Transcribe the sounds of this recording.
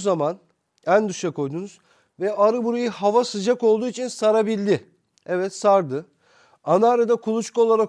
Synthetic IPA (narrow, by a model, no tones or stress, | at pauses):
zaman | ænd̪uʃakʰo̞jd̪uːnuz̥ | vɛʔaɾɯbuɾujɯhavasɯd͡ʒako̞lˠd̪uːit͡ʃʰinsaɾabilʲd̪ɪ | ɛvɛt̪saɾd̪ɯ | anaːɾad̪akʰulˠut͡ʃkʰuo̞lˠaɾak